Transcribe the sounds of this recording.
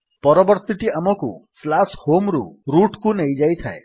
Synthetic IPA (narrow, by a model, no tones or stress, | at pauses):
pɔɾɔbɔɾt̪iʈiamɔkuslashomɾuɾuʈkunejd͡ʒajt̪ʰae